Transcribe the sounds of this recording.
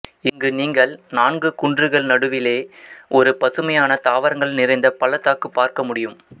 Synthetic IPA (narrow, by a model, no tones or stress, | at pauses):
ɪŋɡɯniːŋɡɐɭnaːnɡɯkʊɳdrɯɣɐɭnɐɽɯʋɪleːʔɔɾɯpɐðɯmɐjaːnɐt̪aːʋɐɾɐŋɡɐɭnɪɾɐɪnd̪ɐpɐlɐt̪ːaːkːɯpːaːɾkɐmʊɽɪjɯm